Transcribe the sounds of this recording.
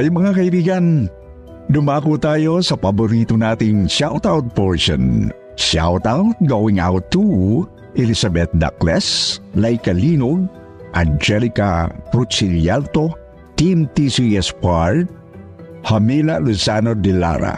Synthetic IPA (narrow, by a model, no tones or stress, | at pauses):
ʔɐjmɐŋakɐʔibiːɡɐn | d̪ʊmaːkut̪aːjosɐpɐbʊɾit̪onaːt̪ɪŋʃawt̪awt̪̚pɛɹʃɔ̰n | ʃa̰wt̪awt̪̚ɡowɪŋa̰wt̪ːu | ʔɛlisabɛt̪̚d̪a̰klɛslajkaliːnoɡ̚ | ʔɐ̰nd͡ʒɛlika̰pɾutsiljalt̪o | t̪imt̪isiɛspaɹd̪̚ | hɐmilalusanod̪ɛla̰ɾa̰